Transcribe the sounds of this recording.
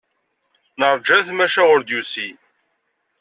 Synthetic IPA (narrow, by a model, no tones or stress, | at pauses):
nəɾˤd͡ʒæθmæʃæʁʊɾd̪jusi